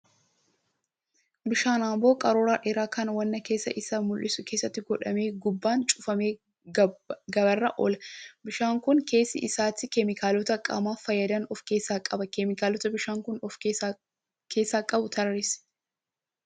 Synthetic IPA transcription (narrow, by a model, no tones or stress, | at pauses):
bɪʃaːnaːmbo̞ːkʼɐɾoːɾaːᶑɪɾaːkɐnwɐnːɐke̞ːsːɐ̰ʔɪsːamʊlʔɪsʊkeːsːɐt̪ːɪɡɔᶑɐme̞ːɡʊbːaːnt͡ʃʼʊfɐmeː | ɡɐbɐrːɐʔɔlɐbɪʃaːŋkʊŋke̞ːsːɪ̰ʔɪsaːt̪ɪkɛmɪkaːlɔt̪ɐkʼɐ̰maːfɐjːɐd̪ɐnɔfke̞ːsːaːkʼɐbɐkɛmɪkaːlɔt̪ɐbɪʃaːŋkʊnɔf | kʰe̞ːsaːkʼɐbʊt̪ʰɐɾɾɪs